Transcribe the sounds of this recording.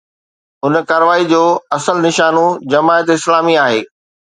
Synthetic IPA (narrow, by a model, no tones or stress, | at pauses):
ʊnkaːɾəʋaːid͡ʑoːɐsəlnɪʃaːnõd͡ʑɐmaːjət̪ɪslaːmiaːɦeː